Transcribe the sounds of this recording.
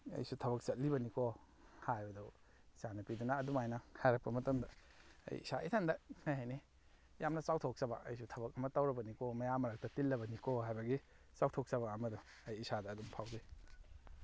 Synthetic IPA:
ɐ̰jsutʰɐbɐk̚sɐt̚libɐniko | hajbɐdɔ | isanɐpidunɐːdumajnɐhajɾɐk̚pɐmɐtɐmdɐ | ɐ̰jḭsaʔḭtʰandɐnajɦajni | jamnɐsawtʰok̚sɐbɐ̰ʔɐ̰jsutʰɐbɐk̚ɐmɐtawɾɐbɐnikomɐjamɐɾak̚tɐtilːɐbɐnikoɦajbɐɡi | sawtʰok̚sɐβɐːmɐdu | ɐjisadɐːdumpʰawde

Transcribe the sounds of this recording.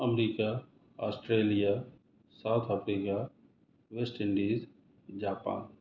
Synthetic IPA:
ɐmɾiːka | aːsʈɾeːlija | saʊt̪ʰafɾiːka | ʋesʈɪ̃ɳɖiːz | d͡ʒaːpa̰ːn

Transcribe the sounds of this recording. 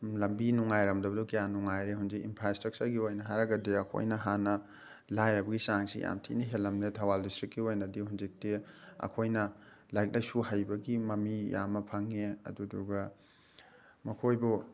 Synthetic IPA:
lɐmbinuŋajɾɐmdɐbɐdukɐjanuŋajɾehunzikinpʰɾastɾɐk̚t͡ʃɐɾɡiojnɐɦaɾɐɡɐdiɐkʰo̰jnɐɦanɐ | lajɾɐbɐɡisaŋsḭja̰mtʰḭniɦelɐmnetʰɐwaldistɾikːiojnɐdihunzik̚teɐ̰kʰojnɐ | lajk̚lajsuhajbɐɡimɐmija̰mɐpʰaŋeɐ̰duduɡɐ | mɐkʰojbɔ

